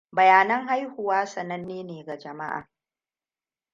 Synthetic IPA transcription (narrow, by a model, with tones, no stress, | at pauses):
bɐ˨jaː˨nɐ˦ŋɦa˦jhʊ˨waː˦sɐ˨nɐ˦nːeː˦neː˨ɡa˨d͡ʒɐ˨ma˦ʔa̰ː˨